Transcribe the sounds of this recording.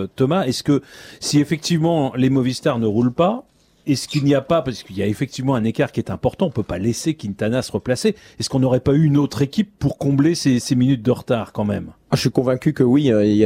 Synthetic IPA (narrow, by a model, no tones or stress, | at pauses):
t̪ɔmaɛskəsiefɛk̚t̪ivmɑ̃lemɔvist̪aʁnəʁulpa | ɛskilniapapaʁsə̥kiljaefɛk̚t̪ivmɑ̃ɛ̃nekaʁkʲiɛt̪ɛ̃pɔʁt̪ɑ̃ɔ̃pøpalesekʲint̪anasəʁəplase | ɛskɔ̃nɔʁɛpayːnot̪χekʲipːuʁkɔ̃bleseseminyt̪̚d̪əʁt̪aːʁkɑ̃mɛm | aʒʃɥikɔ̃vɛ̃kʲykəwiøi